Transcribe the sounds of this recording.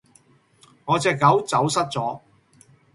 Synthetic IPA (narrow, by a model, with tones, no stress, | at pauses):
ŋɔː˨˧t͡sɛː˨˧kːɐ˨˥wt͡sɐ˨˥wsɐ˥t̚t͡sɔː˨˥